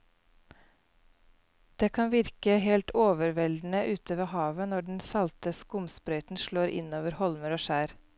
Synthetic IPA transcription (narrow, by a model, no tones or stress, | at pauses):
d̪̥eːkʰɑnʋɪɾkəhɛlt̪oːʋəɾʋɛld̪n̩əʔʉːt̪ʰəʋeːhɑːʋənɔɖɳ̩sɑlt̪əskʊmspɾœʏt̪n̩ʃloːɾʔɪ̰noːʋəɾhɔlməɾoːʃæːɾ